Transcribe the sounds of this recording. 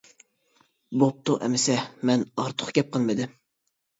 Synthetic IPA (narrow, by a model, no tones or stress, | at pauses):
bop̚t̪ʰʊʔɛ̰mɪsɛmɛnɑɾt̪ʰʊ̥χɡʲɛp̚qʰəlˠmɨd̪ɪ